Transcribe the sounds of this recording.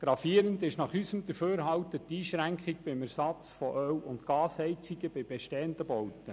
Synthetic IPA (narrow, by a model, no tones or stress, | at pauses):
ɡ̥ɾɑfiəɾəndɪʃnɑχysəmd̪əɾføːɾɦɑwtətːiːʃɾæŋkχiɡ̚b̥ɪmæɾsɑt͡sfɔʔœwʊntɡɑːshɛjt͡siɡəbɪb̥ɛʃtɛːəndəbɔwtːə